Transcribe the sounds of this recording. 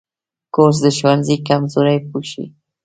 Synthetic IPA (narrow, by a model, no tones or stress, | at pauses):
koɾs̬d̪əʃwanzikamzoɾajpuʃḭ